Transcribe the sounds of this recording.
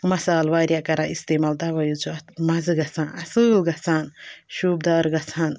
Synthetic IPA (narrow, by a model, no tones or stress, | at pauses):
mɐsaːlʋaːɾʲjakɐɾaʔist̪eːmaːld̪aːʋɐjut͡ʃʰumɐzɨɡɐt͡sʰãːnɐsɨːlɡɐt͡sʰaːnʃuːb̚d̪aːɾɡɐt͡sʰaːn